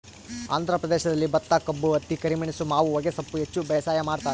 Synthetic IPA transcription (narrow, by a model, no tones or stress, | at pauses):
a̰ːnd̪ʱɾɐpɾɐd̪eːʃɐd̪ɐlːibɐt̪ːakɐbːuɐt̪ːikɐɾimiɳisumaːʋuʋɐɡesɐpːuɦet͡ʃːubɛːsaːjɐmaːɽt̪aːɾ